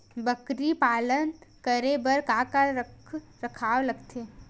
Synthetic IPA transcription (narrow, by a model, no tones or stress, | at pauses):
bəkɾipaːlənkəɾebəɾkaːkaɾəkʰ | ɾəkʰaːʋləɡt̪ʰeː